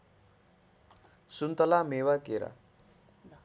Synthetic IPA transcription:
sunt̪əlamewakeɾa̰

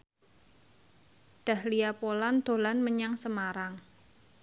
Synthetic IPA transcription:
ɖ̥a̤hliapoland̪̥o̤lanməɲaŋsəmaɾaŋ

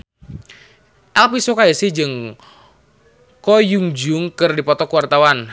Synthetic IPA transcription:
ʔɛlpisokajəsihd͡ʒɨŋ | kɔjuŋd͡ʒʊŋkɨrdipɔt̪ɔkuwart̪awan

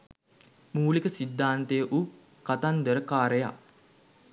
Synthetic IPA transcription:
muːlikəsid̪ːaːnt̪ejəʔu | kat̪and̪əɾəkaːɾəja̰

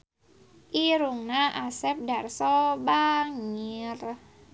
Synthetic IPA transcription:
ʔiɾuŋnaʔasɛp̚darsɔbaŋir

